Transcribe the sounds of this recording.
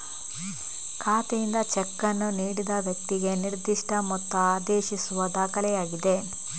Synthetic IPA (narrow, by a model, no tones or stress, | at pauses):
kʰaːt̪ejind̪ɐt͡ʃɛkːɐnːuniːɽid̪ɐʋjɐk̚t̪iɡe̞niɾd̪iʂʈɐmɔt̪ːɐaːd̪eːʃisuʋɐd̪aːkɐlɛjaːɡid̪e̞